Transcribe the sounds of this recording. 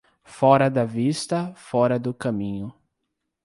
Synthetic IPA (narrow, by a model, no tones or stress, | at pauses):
fɔɾɐd̪ɐvist̪ɐfɔɾɐd̪ʊkɐ̃mĩɲʊ